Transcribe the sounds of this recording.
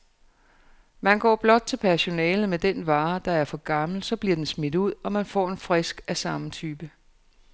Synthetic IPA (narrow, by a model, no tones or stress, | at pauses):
mænɡ̥ɒ̰ːb̥lɒ̽d̥̚t͡sʰe̝lpʰæɐɕo̝nɛ̰ːləmed̥enʋɑ̈ːd̥ɑ̈æɐfɒ̽ɡ̥ɑ̈ml̩sɒ̽b̥liɐd̥ensmed̥uð̞̰ˠɒ̽mænfɒ̰ːe̝nfʁɛsɡ̥æsɑ̈mət͡sʰyːb̥ə